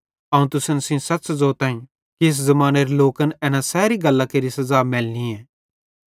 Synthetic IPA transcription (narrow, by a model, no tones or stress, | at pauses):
ɐũt̪ʊsənsĩsɐtːszɔːt̪ãːĩ | keːs̬zɐmaːneɾiloːkənɛːnasɛːɾiɡɐlːakeːɾisɐzaːmɛːlniɛ̃ː